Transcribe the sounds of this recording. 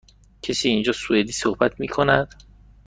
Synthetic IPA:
cʰesiːnd͡ʒɒːsued̪iːsohbæt̪ʰmiːkʰonæd̪̥

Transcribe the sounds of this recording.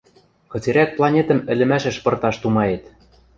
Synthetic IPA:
kɤ̆t͡seɾæk̪̚plˠɑnʲet̪ə̆mɘ̆lʲɘ̆mæʃɘ̆ʃpɤ̆rt̪ɑʃt̪umɑet̪

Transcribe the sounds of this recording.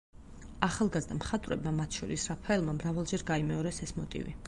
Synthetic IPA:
aχalˠɡazd̪amχat̪ʼvɾɛ̰bmamat̪ʰʃɔɾisɾapʰaɛlˠmamɾavalˠd͡ʒɛɾɡaimɛɔɾɛsɛsmɔt̪ʼḭvḭ

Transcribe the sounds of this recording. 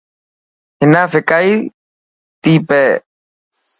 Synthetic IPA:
henafekaj | t̪ipe

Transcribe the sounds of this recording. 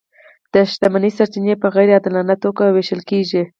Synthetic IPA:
d̪̥əʃt̪amanisaɾt͡ʃinepəɣajɾead̪lanat̪okaweʃəlkeʒi

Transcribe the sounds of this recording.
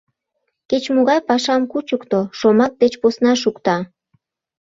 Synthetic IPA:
ket͡ɕmuɣɑjpɑʃɑmkut͡ɕukt̪oʃomɑk̚d̪et͡ɕposnɑʃukt̪ɑ

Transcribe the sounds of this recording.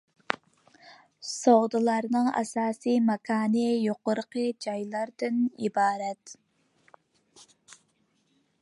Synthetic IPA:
soʁd̪ɨlˠɑɾnɨŋɛ̰sɑːsɨmɛkʰɑːnɨjoqʊɾqʰəd͡ʒɑjlˠɑɾd̪ɨnḭbɑːɾɛt̪

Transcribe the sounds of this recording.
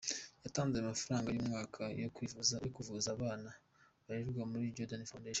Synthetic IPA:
jataːnzeamafaɾaːŋɡajumŋaːkʰajkijokuvuzaːβaːna | βaɾiɾɡwamuɾiːɾɟodonifandeʃ

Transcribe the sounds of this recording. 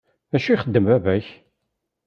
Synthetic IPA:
æʃiiχəd̪ːəmævæç

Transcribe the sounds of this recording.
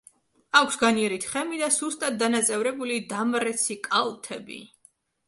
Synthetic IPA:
akʷʰsɡaniɛɾit̪ʰχɛmid̪asust̪ʼat̪̚d̪anat̪sʼɛvɾɛbulid̪amɾɛt̪sʰikʼalˠt̪ʰɛbḭ

